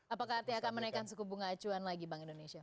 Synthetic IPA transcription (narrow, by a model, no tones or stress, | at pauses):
apakaɦart̪iakanmənaikansəkubuŋaːt͡ʃuanlaɡibaŋindonesia